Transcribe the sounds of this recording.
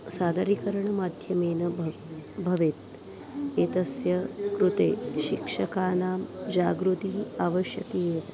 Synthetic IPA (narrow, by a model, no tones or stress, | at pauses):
saːd̪ɐɾikɐɾɐɳɐmaːd̪ʱjɐmeːnɐ | bʱɐʋet̪̚ | eːt̪ɐsjɐkɾut̪eːʃikʂɐkaːnaːmd͡ʒaːɡɾut̪iːaːʋɐʃjɐt̪eː